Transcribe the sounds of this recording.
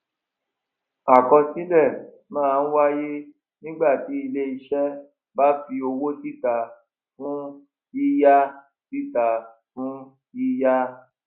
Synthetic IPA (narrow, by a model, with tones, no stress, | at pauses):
a˨kɔ̃˧si˦lɛ˦˨ | mãː˦˨˧n̩˦wa˦je˦ | nĩ˦ɡ͡ba˦˨ti˨˦i˧le˦i˧ʃɛ˦ | ba˦fi˧o˧wo˦ti˦˨ta˨ | fũ˦ | i˦ja˦ | ti˦ta˧ | fũ˦ | i˦ja˦